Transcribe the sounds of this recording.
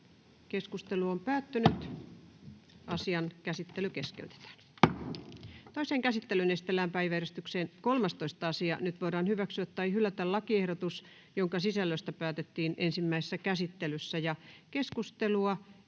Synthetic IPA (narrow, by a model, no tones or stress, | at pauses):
keskust̪eluompæːt̪ːynyt̪ | ɑsiɑnkæsit̪ːelykeskḛyt̪e̥t̪æ̥ːn | t̪oiseːŋkæsit̪ːelynest̪elːæːmpæiʋæeɾest̪ykseːnkolmest̪oist̪ɑɑsiɑ̰nyt̪ʋoiɾɑːnhyʋæksyæt̪ːɑihylːæt̪ællɑkiehɾot̪us | joŋkɑsisælːøst̪æpæːt̪et̪ːiːnensimːæise̥sːækæsit̪ːelysːæjɑkeskust̪eluɑ